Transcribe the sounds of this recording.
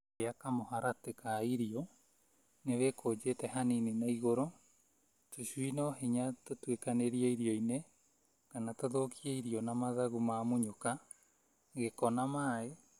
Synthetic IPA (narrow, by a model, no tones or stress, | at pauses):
eakamoɦaɾatekaiɾiɔ | neβekʰod͡ʒetɛɦanininaiɣoɾo | toɕuinɔɦiɲatotwekaneɾiaiɾiɔine | kanatoðokʰiaiɾiɔnamaðaɣumamoɲoka | ɣekɔnamaːe